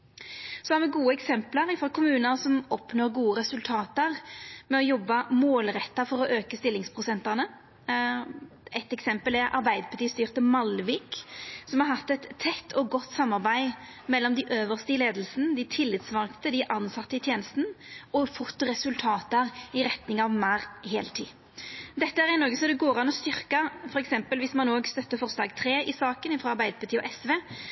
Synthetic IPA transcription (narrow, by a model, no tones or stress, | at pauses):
sɔhæʁmɛɡuːəɛksɛmpləɾɪfɔkʰʊmʉːnəsɔmɔpnoːʁɾɡuːəɾɛsʉlt̪ʰɑːt̪əʁmɛɔjɔbːəmoːlɾɛt̪ːɑfɔɾɔʔøːkəst̪ɪlːɪŋspʰʁʊsɛnt̪ənə | ʔɛt̪ːɛksɛmpəlɛɾʔɑ̰ɾbæɪd̪əpʰɑʁt̪iːst̪yːʁt̪əmɑlʋiːksɔmhɑɾhɑt̪ːɛt̪ʰːɛt̪ːʰɔɡɔt̪ːsɑmːɑʁbæɪmɛlːɔmd̪ɪʔøːʋəʁst̪əleːd̪l̩sənəd̪ɪt̪ʰɪlːɪt̪sʋɑʁkt̪əd̪ɪʔɑnsɑt̪ːəɪt̪ʰjeːnəst̪ənəɔfʊt̪ːəɾɛsʉlt̪ʰɑːt̪əəɾɪɾɛt̪nɪŋɑʋmæɾheːlt̪ʰḭː | d̪ɛt̪ːəæɾɪnɔɡəsɔd̪ɛɡoːʁɑnɔst̪ʏʁkɑfɔɾɛksɛmpəlʋɪsmɑnoːɡst̪œt̪ːəfɔʁsd̪ɑːɡt̪ʰɾeːɪsɑːkənɪfɾɑːɑɾbæɪd̪əpʰɑt̪iːɔ̰ʔɛsʋeː